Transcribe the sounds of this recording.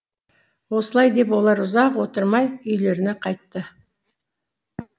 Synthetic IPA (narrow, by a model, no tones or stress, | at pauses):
wo̞səlˠɑjd̪e̞pwo̞lˠɑɾʊzɑqwo̞t̪əɾmɑjʏjle̞ɾɪnɪqʰɑjt̪ːə